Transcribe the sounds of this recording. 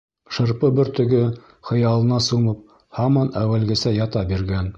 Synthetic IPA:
ʃɤ̆ɾpɤbɘɾt̪ɵ̆ɡɵ | χɤ̆jɑlˠɤ̆nɑsumɤp̚ | hɑmɑnæwælɡɘ̆sæjɑt̪ɑbiɾɡæn

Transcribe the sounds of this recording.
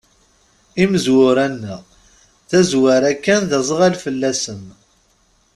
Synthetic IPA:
iməzwʊɾænːəʁ | θæzwaɾækːænðəzˤəʁælfəlːæsəm

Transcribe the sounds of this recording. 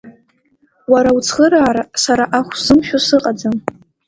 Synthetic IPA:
waɾawt͡sʰχəɾaːɾasaɾaʔaχʷsɨmʃᶣosɨqʼad͡zam

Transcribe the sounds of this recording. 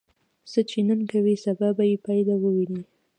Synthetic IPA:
sət͡ʃenənkawisababajepɑjlawəwini

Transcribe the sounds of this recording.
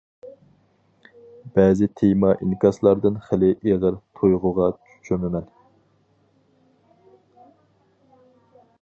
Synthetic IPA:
bɛːzɪt̪ʰejmɑʔinkʲɑslˠɑɾd̪ɨnχælɪʔeʁəɾt̪ʰojʁʊʁɑt͡ʃʰy̥t͡ʃʰymɪmɛn

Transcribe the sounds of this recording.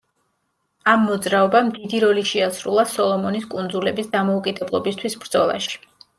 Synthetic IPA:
amːɔd̪zɾaɔbamd̪id̪iɾɔliʃiasɾṵlˠasɔlˠɔmɔniskʼund̪zulɛbisd̪amɔukʼid̪ɛblˠɔbist̪ʰwisbɾd̪z̥ɔlˠa̰ʃi̥

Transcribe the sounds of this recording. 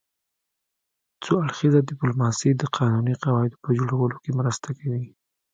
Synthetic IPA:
t͡soaɽxizad̪ɪplomɑsid̪əqʰɑnuniqɑwɑɪd̪o̥pəd͡ʒoɽawəlokemɾəst̪akawi

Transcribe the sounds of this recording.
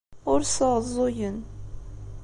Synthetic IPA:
ʊɾsəʁzˤːojən

